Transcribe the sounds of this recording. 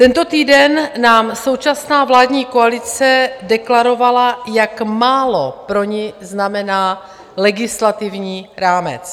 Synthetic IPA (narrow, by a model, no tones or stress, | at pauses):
t̪ɛnt̪o̞t̪iːdɛnːaːmso̞wt͡ʃasnaːvlaːdɲiːkoalɪt͡sɛdɛklaɾo̞valajakmaːlopɾo̞ɲɪznamɛnaː | lɛɡɪslat̪ɪvɲiːɾaːmɛ̰t͡s